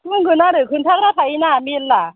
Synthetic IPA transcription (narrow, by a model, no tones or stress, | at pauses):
mɯŋkʰunaːɾɯːkʰunt̪ʰaɾaːpʰaʔinaːminla